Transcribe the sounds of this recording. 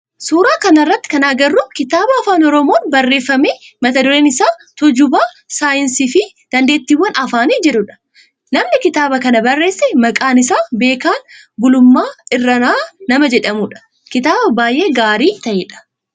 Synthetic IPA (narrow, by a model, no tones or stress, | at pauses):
suːɾaːkɐnɐrːɐt̪ːɪ̥kɐnaːɡɐrːʊkɪt̪aːbɐːfaːnɔɾɔmoːnbɐrːe̞ːfːɐmeːmɐt̪ɐd̪ɔɾeːnɪsaːt̪ʊd͡ʒʊbaː | saːjɪnsiːfɪ | d̪̥ɐnd̪e̞ːt̪ːiːwːɐnɐfaːnid͡ʒɛᶑʊᶑɐ̥ | nɐmnɪkɪt̪aːbɐkɐnɐbɐrːe̞ːsːɛmɐkʼaːnɪsaːbe̞ːkaːn | ɡʊlʊmːaːɪrːɐnaːnɐmɐd͡ʒɛᶑɐmʊᶑɐ̥ | kɪt̪aːbɐbaːjʔe̞ːɡaːɾiːt̪ɐʔeːᶑɐ̥